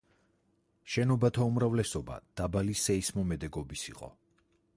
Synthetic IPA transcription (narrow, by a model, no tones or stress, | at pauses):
ʃɛnɔbat̪ʰaumɾavlɛsɔba̰d̪̥abalisɛismɔmɛd̪ɛɡɔbisḭqʼɔ̰